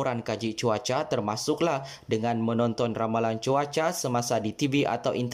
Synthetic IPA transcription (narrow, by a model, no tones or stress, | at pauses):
ɾankad͡ʒit͡ʃuat͡ʃat̪ərmasʊklah | dəŋanmənɔnt̪ɔnramalant͡ʃuat͡ʃasəmasadit̪ibiʔa̰t̪awʔint̪